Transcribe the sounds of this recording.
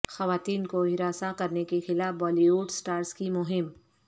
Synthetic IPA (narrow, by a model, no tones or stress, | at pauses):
xɐʋaːt̪iːnkoɦɪɾaːsakɐɾnekexɪlaːfbɔːliuːɖsʈaːɾskimʊɦɪm